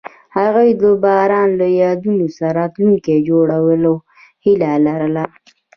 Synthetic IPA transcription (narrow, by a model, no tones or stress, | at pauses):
haɣujd̪əbɑɾɑnlajɑd̪unosaɾɑt̪luŋked͡ʒoɽawəla | hilalaɾəla